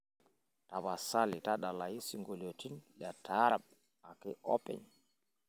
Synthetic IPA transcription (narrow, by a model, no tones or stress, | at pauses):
taβasalitaɗalajisiŋɡulotinɗatʰaɾaɓ̚ | akɛɔ̰pɛ̰ɲ